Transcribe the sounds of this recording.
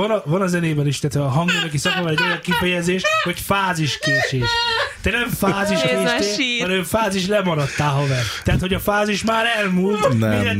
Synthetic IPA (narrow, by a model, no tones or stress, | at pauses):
ɒnɒvɒnɒzɛneːbɛniʃt̪ɛːt̪hoɒɦɒŋɡonøkisɒkɒvɒlɛɟo̞jɒŋkifɛjɛzeːʃʋɒcfaːziʃkeːt͡ʃʃeːʃt̪ɛnɛɱfaːziʃkeːeɛɾøːfaːziʃlɛmɒɾɒt̪ːaːlɦɒvɛrt̪t̪ɛɦat̪hoɟɒfaːziʃmaːɾɛlmult̪iɛ